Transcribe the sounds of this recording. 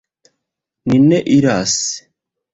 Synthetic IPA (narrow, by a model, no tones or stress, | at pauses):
ninːeʔiɾas